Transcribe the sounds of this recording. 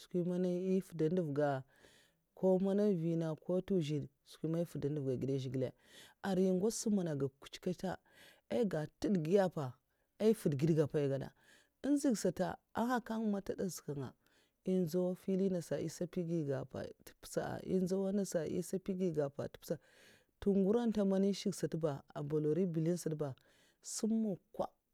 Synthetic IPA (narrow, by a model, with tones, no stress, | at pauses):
skʷi˦ma˦na˦i˦fu˨da˨n˦du˦˨vɡa˨ | kʰo˦ma˦na˦vi˨na˨ko˦tu˦ʒi˨d | skʷi˦ma˦i˦fu˨da˨n˦u˨vɡa˨ɡi˨da˦ʒi˨ɡi˨la̰˨ | a˨ɾji˦ŋɡa˦su˦ma˨na˨ɡa˨ku̥˨t͡ʃka˦ta̰˦ | a˦i˦ɡa˨tu˦dɡi˦ja˦pa˨ | a˦i˦fu˨dɡi˦dɡa˨pa˨i˨ɡa˨da̰˨ | i˦nzi˦ɡsa˨ta̰˨ | a˦ha˦ka˦ŋ˦ma˦ta˦da˦zi̥˨ka˨ŋa̰˨ | i˦nza˦wa˦fi˦li˦na˨sa˨ḭ˦sa˦pi˦ɡi˦ɡa˨pa̰˨tpsa̰˨a̰˨ḭ˦n˦za˦wa˦na˦sa˨ʔḭ˦sa˦pi˦ɡi˦ɡa˨pa̰˨ti̥˦psa˨ | tu˦˨ŋɡu˦ɾa˦nta˦ma˦ni˦ʃi˦ɡsa˨tba˨a̰˨ba˨lo˨ɾi˦bi˨li˦n˦si˨dba˨ | su˦mːo˨kʷa̰˦